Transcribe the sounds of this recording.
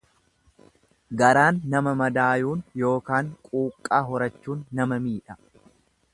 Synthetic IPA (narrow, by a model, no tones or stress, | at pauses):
ɡɐɾaːnːɐmɐmɐd̪aːjuːnjo̞ːkaːŋkʼuːkʼːaːɦɔɾɐt͡ʃːuːnːɐmɐmiːᶑɐ̥